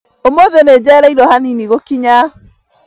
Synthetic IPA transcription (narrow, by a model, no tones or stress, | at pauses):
omoðened͡ʒɛɾaiɾɔhaniniɣokiɲa